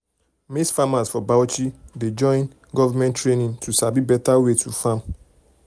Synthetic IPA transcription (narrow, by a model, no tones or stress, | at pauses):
misfamasfɔbawt͡ʃided͡ʒɔ̃ɪ̃n | ɡɔvamɛ̃ntɹenĩntʰusabibɛtawetʰufãm